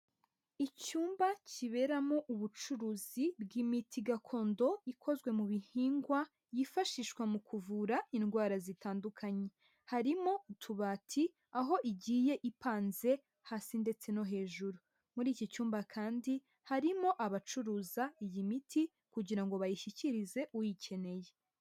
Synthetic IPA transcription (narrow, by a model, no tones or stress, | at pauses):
icuːmbaciβe̞ɾamoʔuβut͡ʃuɾuːzibɡimitʰiɡakʰo̞ːndo̞ikʰo̞zɡwe̞muβihiːŋɡwa | jifaʃiʃkwamukʰuvuɾainɡwaːɾazitaːndukʰaɲe̞ | haɾimo̞utʰuβaːtʰi | aɦo̞ʔiɟiːje̞ʔipaːnze̞ | haːsinde̞t͡se̞no̞ɦe̞ːʒuɾu | muɾiːcit͡ʃuːmbakʰaːndi | haɾimo̞ʔaβat͡ʃuɾuːzaijimitʰi | kuɟiɾaŋɡo̞βajiʃiciɾize̞ʔujicʰe̞ne̞je̞